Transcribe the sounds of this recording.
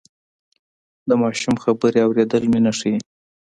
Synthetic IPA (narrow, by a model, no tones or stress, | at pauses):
d̪əmɑʃumxabəɾeawɾed̪əlminaʂi